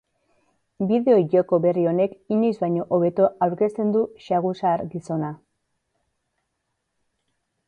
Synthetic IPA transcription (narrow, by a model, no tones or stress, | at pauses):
biðe̞o̞iʝoko̞βe̞rio̞ne̞kinijzbajɲo̞ʔoβe̞t̪oawɾke̞st̪e̞nd̪uʃaɣ̞usaːɾɡiso̞na